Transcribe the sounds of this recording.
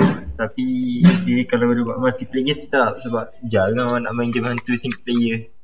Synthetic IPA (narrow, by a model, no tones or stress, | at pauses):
t̪apidəkalawbəɾuba̰ʔmat̪ipleɡət̪ət̪ap̚səbap̚d͡ʒaŋãnana̰ʔmaŋd͡ʒəmaɦant̪usiŋplejə